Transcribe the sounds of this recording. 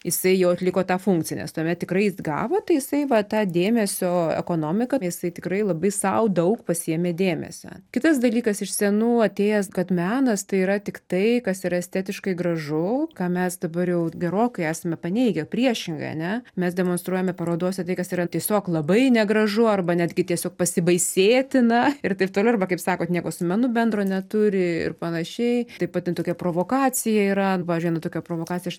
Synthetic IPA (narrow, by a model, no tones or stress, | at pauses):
jɪsɐɪjɛʊɐt̪lʲɪkoːt̪ɑːfʊŋk̚t͡sʲɪjɛ̰nʲɛ̰st̪uɔmʲɛt̚t̪ʲɪkrɐɪzɡɑ̰ːʋoːt̪ɐɪjɪsɐɪʋɐt̪ɑːd̪ʲeːmʲɛsʲoːɛ̰koːnoːmʲɪkɐjɪsɐɪt̪ʲɪkrɐɪlˠɐbɐɪsɐʊd̪ɐʊkpɐsʲiɛmʲeːd̪ʲeːmʲɛ̰sʲo̰ːkʲɪt̪ɐs̬d̪ɐlʲiːkɐsɪʃsʲɛnuːɐt̪ʲeːjɛskɐt̪mʲæːnɐst̪ɐɪiːɾɐt̪ʲɪkt̪ɐɪkɐsiːɾɐɛsʲt̪ʲæːt̪ʲɪʃkɐɪɡɾɐʒʊkɑːmʲɛsd̪ɐbɐɾjɛʊɡʲɛɾoːkɐɪæːsɐmʲɛpɐnʲɛɪɡʲɛpʲɾʲiɛʃʲɪŋɡɐ̰ɪɐ̰nʲɛmʲɛsd̪ʲɛmoːnst̪ɾuɔjɛmʲɛpɐɾoːd̪oːsʲɪt̪ɐɪkɐsiːɾɐt̪ʲiɛsʲoːklˠɐbɐɪnʲɛɡɾɐʒʊɐrbɐnʲæːd̪ʲɡʲɪt̪ʲiɛsʲoːk̚pɐsʲɪbɐɪsʲeːt̪ʲɪnɐɪrt̪ɐɪp̚t̪oːlʲʊɐrbɐkɐɪpsɑːkoːt̪nʲiɛkoːsʊmʲɛnʊbʲɛnd̪ɾoːnʲɛt̪ʊɾʲɪɪ̰rpɐnɐʃʲɛɪt̪ɐɪpɐt̪tʲːɪnt̪oːkʲɛpɾoːʋoːkɑːt͡sʲɪjɛiːɾɐpɑːʋʲɪzʲd͡ʒʲʊɪnɐt̪oːkʲɛpɾoːʋoːkɑːt͡sʲɪjɛ